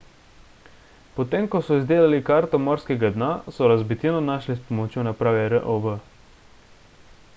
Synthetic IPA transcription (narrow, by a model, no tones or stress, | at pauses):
pɔt̪eːmkɔsɔizd̪eːlalikaɾt̪ɔmɔɾskɛɡad̪nasɔɾazbit̪inɔnaːʃlispɔmɔt͡ʃjonapɾaːʋɛɾəʔoʋə